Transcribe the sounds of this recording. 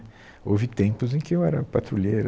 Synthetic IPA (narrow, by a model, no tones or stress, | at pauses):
owvɪt̪ẽpʊzẽj̃kɪewɛɾɐpat̪ɾuleɾ